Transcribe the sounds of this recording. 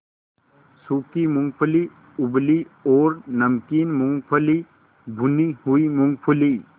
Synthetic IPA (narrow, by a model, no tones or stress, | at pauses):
suːkimʊ̃ŋɡpʰəli | ʊbliɔːɾnɐmkiːnmʊ̃ŋɡpʰəli | bʱunihuimʊ̃ŋɡpʰəli